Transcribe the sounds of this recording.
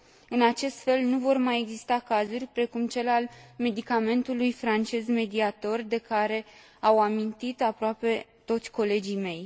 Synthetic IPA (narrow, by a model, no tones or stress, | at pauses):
ɨnat͡ʃe̞st̪fe̞lnuvo̞rmaje̞ɡzist̪akazurʲpɾe̞kumt͡ʃe̞lalme̞d̪ikame̞nt̪ulujfɾant͡ʃe̞zme̞d̪iat̪o̞rʲd̪e̞kaɾe̞ | awamint̪it̪apɾoape̞t̪o̞t̪sʲko̞le̞d͡ʒijme̞j